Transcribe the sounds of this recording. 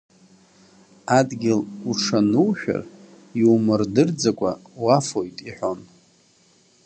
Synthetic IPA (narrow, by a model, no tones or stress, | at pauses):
adɡʲɪluʈ͡ʂʰanuwħᶣa̰r | iwmɨrdɨrd͡zakʷʼa̰wafojtʼiħʷᶣo̞n